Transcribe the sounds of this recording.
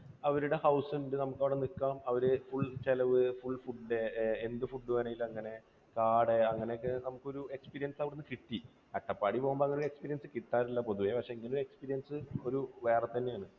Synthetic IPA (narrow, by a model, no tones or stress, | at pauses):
ɐʋɐɾuɽe̞hɐwsindɨnɐmukːɐʋiɽenikːaːmɐʋɐɾɨfuɭt͡ɕelɐʋɨfuɭfuɖɖeend̪ɨfuɖːɨkɐnɐjilɐŋːɐne̞ | kaːɽeɐŋːɐnekːɨnɐmukːo̞ɾue̞kspiːɾijɐnsɐʋiɽunːɨkiʈːi | ɐʈːɐpːaːɽipo̞ːɣumboɐŋːɐnjuɽekspiːɾijɐnsɨkit̪ːaːɾilːɐpo̞ðuʋepɐkʂe̞iŋːɐnloɾuekspiːɾijɐnsɨoɾuʋe̞ːrɐt̪ːɐnːejaːɳɨ